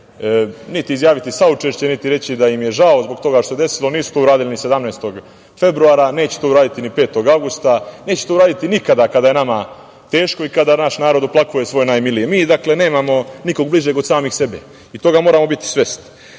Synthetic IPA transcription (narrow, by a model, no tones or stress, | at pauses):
nit̪iːzjaːʋit̪isaut͡ʃeʃt͡ɕe̞nit̪iɾe̞t͡ɕid̪ajimje̞ʒao̞zbokt̪o̞ɡaʃt̪osed̪e̞silo̞niːsu̥t̪ouɾaːd̪ilinise̞d̪amnejst̪o̞ɡ | fe̞bɾuaːɾane̞ːt͡ɕet̪o̞uɾaːd̪it̪inipe̞ːt̪o̞ɡaʋɡust̪ane̞ːt͡ɕe̥t̪ouɾaːd̪it̪inikad̪akad̪aje̞nama | t̪e̞ːʃko̞ikad̪anaʃnaːɾo̞d̪uplˠakuje̞sʋo̞ːjnajmilijemiːd̪akle̞ne̞ːmamo̞niko̞ɡbliʒe̞ɡod̪saːmixse̞bḛ | it̪o̞ɡamoːɾamo̞bit̪i̥sʋe̞st̪i̥